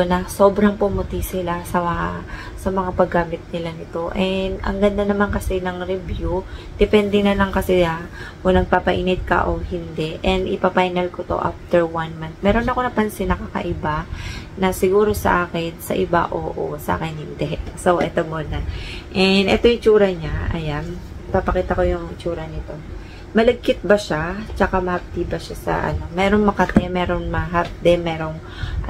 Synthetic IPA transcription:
onɐso̞bɾɐŋpʊmʊt̪isɪlasɐ | sɐmɐŋapɐɡːaːmɪt̪̚nɪlanɪt̪o̞ʔɛnd̪ʔɐ̰ŋɡɐnd̪anɐmankɐsɛnɐŋɾɛvjud̪̥ɪpɛnd̪ɛnɐlɐŋkɐsɪakonɐɡ̚papɐʔiːnɪd̪̚kɐ̰ʔohɪnd̪ɛʔɛnd̪ɪpapajnɐlkot̪o̞̰ʔa̰ft̪ɛɹwanmant̪̚mɛːɾo̞nːɐkonɐpɐnsɪnɐkakɐ̰ʔɪbanɐsɪɡuːɾo̞sɐ̰ʔaːkɪnsɐ̰ʔɪba̰ʔoːʔosɐʔa̰ːkɪnhɪnd̪ɛsowʔɛt̪omuːnɐʔɛnʔɛt̪ojʊɪt͡ʃuːɾɐɲaɐ̰jan | papɐkiːt̪ɐko̞jʊŋɪt͡ʃuːɾɐnɪt̪o̞ | mɐlɐɡ̚kɪt̪̚bɐʃat͡ʃɐkamɐhɐp̚t̪ibɐʃasɐ̰ʔɐ̰no̞mɛːɾoŋmɐkɐt̪ɛmɛːɾo̞ŋmɐɦap̚d̪ɛmɛːɾo̞ŋ | ʔ

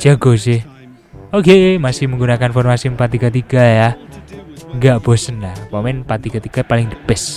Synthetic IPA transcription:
d͡ʒ̥aɡ̥o̤s̬eh | okeʔemasɪhməŋɡunakanfɔrmasipat̪iɡat̪iɡ̥a̤ja | ŋɡaʔb̥ɔ̤sənapɔmɪnpat̪ikat̪iɡ̥apalɪŋd̪ə̥pɪs

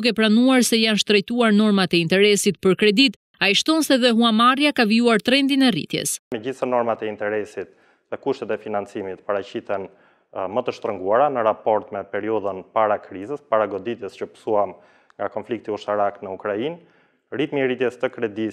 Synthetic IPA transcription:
ukɛpɾanuaɾsɛjanʃt̪ɾɛjt̪uaɾnɔɾmat̪ɛint̪ɛɾɛsit̪pəɾkɾɛd̪it̪ | aiʃt̪ɔnsɛðɛɦuamaɾjakaviuaɾt̪ɾɛnd̪inɛrḭt̪jɛ̰smɛɟisanɔɾmat̪ɛint̪ɛɾɛsit̪̚ | ðɛkuʃt̪ɛt̪ɛfinant͡simit̪paɾaciθɛn | mət̪əʃt̪ɾəŋɡuaɾanəɾapɔɾt̪mɛpɛɾiɔðənpaɾakɾizəspaɾaɡɔd̪it̪ɛscəpə̥suam | ŋɡakɔnflik̚t̪iuʃt̪aɾaknəukɾain | rit̪mirit̪jɛst̪əkɾɛd̪i

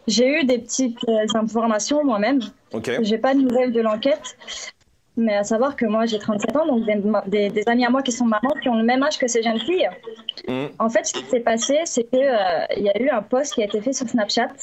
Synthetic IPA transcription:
ʒeyd̪epət̪ʰit̪øzɛ̃fɔʁmasjɔ̃mwamɛm | oʒepanuvɛld̪əlɑ̃kʲɛt̪ | mɛasavwaʁkəmwaʒet̪χɑ̃t̪sɛt̪ɑ̃d̪ɔ̃k̚d̪emd̪ed̪ezamiamwakʲisɔ̃mamɑ̃kʲiɔ̃ləmɛmaʒkəseʒənfij | ɑ̃fɛt̪sə̥kʲi̥sɛpasesɛkəøḭljayɛ̃pɔst̪̚kiaet̪efɛsyʁsnapʃat̪

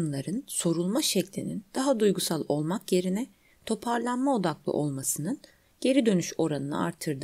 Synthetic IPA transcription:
nlˠaɾɯnso̞ɾulˠmaʃɛclʲḭnind̪̥aɦad̪ujɡusalˠo̞lˠmakje̞ɾinɛ | t̪ʰo̞pʰaɾlˠanmao̞d̪aklˠɯ̰ʔo̞lˠmasɯnɯn | ɟ̥e̞ɾid̪ø̞nyʃo̞ɾanɯnɯ̰a̰ɾt̪ʰːɯɾd̪ɯ

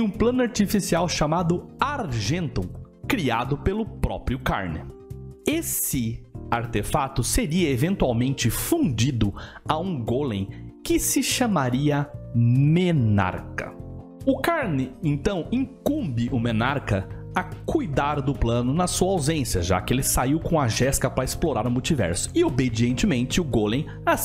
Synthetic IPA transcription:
ɪũplɐ̃nʊaɾt͡ʃifisiawʃamad̪ʊaɾʒẽnt̪õw̃ | kɾiad̪ʊpelʊpɾɔ̰pɾiʊka̰ɾnɪ̰esɪaɾt̪efat̪ʊseɾiɐevẽnt̪uawmẽnt͡ʃɪfũnd͡ʒid̪ʊaũɡolḛ̃j̃kɪsɪʃɐmaɾiɐmena̰ɾkɐ̰ | ʊkaɾnɪẽnt̪ɐ̃w̃ĩŋkũmbɪʔʊmenaɾkɐ | ɐkujd̪aɾd̪ʊplɐ̃nʊnɐsuɐawzẽsjɐʒa̰kɪelɪsaiwkõɐʒɛskɐpɾɐesploɾaɾʊmuwt͡ʃivɛ̰ɾsʊ̥ɪobed͡ʒiẽnt͡ʃɪmẽnt͡ʃɪʊɡolẽj̃ | a

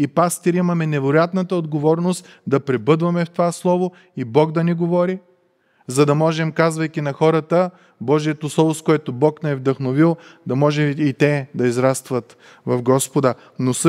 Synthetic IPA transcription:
ipast̪iɾimɐmɛnɛvoɾojat̪nɐt̪əod̪ɡovɔɾnost̪d̪ɐpɾɛbɤd̪vɐmɛft̪ovaslˠɔvo | ibɔɡd̪ɐniɡovɔɾi | zɐd̪ɐmɔʒɛmkazvɐjkʲinɐxɔɾət̪ə | bɔʒijət̪oslˠɔvoskoɛt̪obɔknɛɛvd̪ɐxnovilˠd̪ɐmɔʒɛit̪ɛd̪ɐizɾast̪vɐt̪ | vɐvɡɔspod̪ə | nos

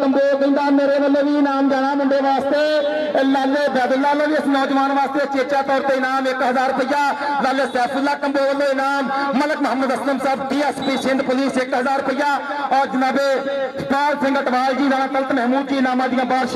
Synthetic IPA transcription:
kəmboːkĩːnd̪aːmeːɾeʋəlːoːʋiːnaːmɡ̪aːnaːmɦʊɳɖeʋaːst̪eː | elːaːleːbɛːd̪ʊlːaːloːɾiːəsnɔːd͡ʒʋaːnʋaːst̪et͡ʃet͡ʃaːt̪ɔːɾt̪einaːmekɦəzaːɾpəjaːlaːleːsɛːpʰʊlːaːkəmboːʋəloːinaːmːələkmɐɦəməd̪ɐsləmsəːbʈ̪ĩəspiːʃɪ̃nɖ̪pʊliːsekɦəzaːɾpəɪjaː | ɔːɾd͡ʒɪnaːbe | paːɾsə̃ŋɡəʈʋaːld͡ʒiːzaːɽ̃ãːk̪əlt̪mɛɦmuːd̪̚t͡ʃiːnaːmãd̪ɪjãːbaːɾʃ

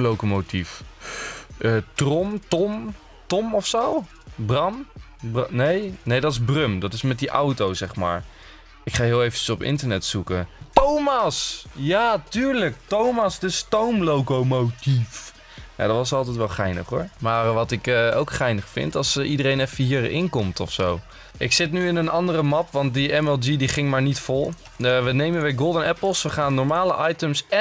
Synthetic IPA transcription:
lowkomotif | ətrɔmtɔm | tɔmɔfsow | brɑn | nejnejdɑtɪzbrømdɑtɪsmɛt̚diʔawtowzɛχma̰ːɹ | ɪkχaːɦɪːlˠejvəəsɔpɪ̰ntəɹnɛtsukətowmɑsjaːtyːɹləktowmɑsdəstowmlowkomotif | ja̰dɑtʋɑsətɑlˠtɛjtʋɛlˠχɛjnə̰χɦʊːɹmaːrʋɑtɪkːowkχɛjnəχfɪ̰ntɑsidərejnɛfəɦiːɹɪ̰ŋkɔmtɔfsow | ʔɪksɪtnyɪnənɑndərəmɑpʋɑnt̚diɛmɛlˠd͡ʒidiχɪŋmaːɹnitfɔlˠ | ʋənejməʋɪɡɔlˠdənɛpəl̩ˠsʋəχaːnːɔɹmaːləʔɑjtəmsɛ

